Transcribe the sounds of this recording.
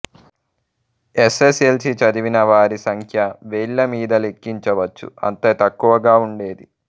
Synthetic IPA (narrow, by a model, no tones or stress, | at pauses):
esesielsit͡ʃɐd̪iʋinɐʋaːɾisɐŋkʰjɐʋeːɭːɐmiːd̪ɐle̞kːiɲt͡ʃɐʋɐt͡ʃːṵɐ̰nt̪ɐt̪ɐkːuʋɐɡaːuɳɖe̞ːd̪i